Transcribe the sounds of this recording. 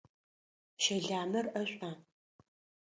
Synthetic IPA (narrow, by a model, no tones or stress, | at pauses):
ʃɐɮaːmɐrɐɕʷʼaː